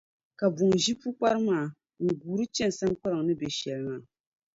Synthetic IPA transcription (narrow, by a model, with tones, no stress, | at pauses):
ka˨bu˨ŋʒi˦pu˦k͡pa˦ɾɨ˦maː˦˨ | ŋ̩˨ɡuː˨ɾɨ˦t͡ʃɛ˦n˨sa˦ŋ˦k͡pa˦ɾɨ˨ŋ˨nɨ˦bɛ˨ʃɛ˨lɨ˦ŋa˨